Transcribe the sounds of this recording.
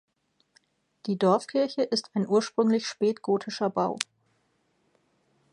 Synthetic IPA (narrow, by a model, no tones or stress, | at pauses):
d̥iːdɔɐfkʰɪɐçəʔɪstʰaɪnʔuːɐʃpʁ̥ʏŋlɪçʃpɛːtɡ̥oːtʰɪʃɐbaʊ